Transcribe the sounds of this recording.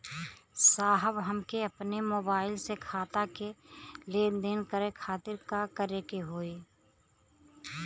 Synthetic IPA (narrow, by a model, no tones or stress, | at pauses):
saːɦəbɦəmkeɐpnemoːbaːɪlsekʰaːt̪akeleːnd̪eːnkəɾekʰaːt̪ɪɾkakəɾekeɦoːeː